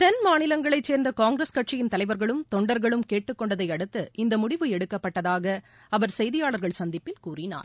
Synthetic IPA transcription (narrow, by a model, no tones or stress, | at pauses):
t̪ɐnmaːnɪlɐŋɡɐɭɐɪt͡ʃːeːɾnd̪ɐkaːŋɡɾeskɐʈ̚t͡ʃɪjɪnt̪ɐlɐɪʋɐɾɣɐɭɯmt̪ɔɳɖɐɾɣɐɭɯmkeːʈːɯkːɔɳɖɐðɐɪɐɽɯt̪ːɯʔɪnd̪ɐmʊɽɪʋɯɛɽɯkːɐpːɐʈːɐðaːɣɐ | ɐʋɐɾsɛjðɪjaːɭɐɾɣɐɭsɐnd̪ɪpːɪlkuːrɪna̰ːɾ